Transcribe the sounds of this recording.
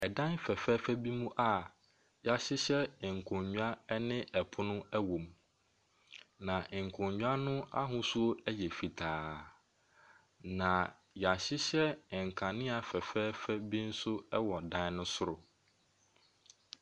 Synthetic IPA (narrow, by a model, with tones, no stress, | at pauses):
ɛ˨dã˦nfɛ˨fɛː˦fæ˦bi˦mũ˦ʔa˦ | ja˨ɕɪ˦ɕɛ˦˨ŋ̩˨kʰʊ̃˨ɲɲᶣu˦a˦ɛ˦nɪ̃˦ʔɛ˨pʰʊ˦nʊ̃˦ɛ˦wõ˨m | nã˨ŋ̩˨kʰʊ̃˨ɲɲᶣu˦a˦nʊ̃˦a̰˦ɦʊ̃˦su˦o˦ɛ˦jɛ˨fi˨tʰaː˨ | nã˨ | jɛ˨a˨ɕɪ˦ɕɛ˦˨ŋ̩˨kʰã˨nɪ̃˦a˨fɛ˨fɛː˦fɛ˦bi˦n̩˦sʊ˦ɛ˦wɔ˨dã˦n˦nʊ̃˦sʊ˦ɾʊ˨